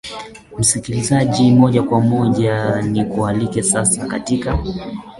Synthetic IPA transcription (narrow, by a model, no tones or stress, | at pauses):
m̩sikilizaʄimɔʄakwamɔʄanikualikɛsasaka̰tika